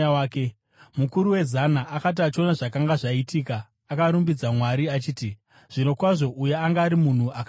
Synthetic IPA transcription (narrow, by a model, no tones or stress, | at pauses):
ke | mukuɾuwe̞zanaʔakat̬iat͡ʃo̞naʐakaŋɡaʐaitiːkaː | kaɾumbid͡zamwaɾiat͡ʃiːti | ʐ̥ino̞kwaʐo̞ʔujeaŋɡaːɾimun̤uʔak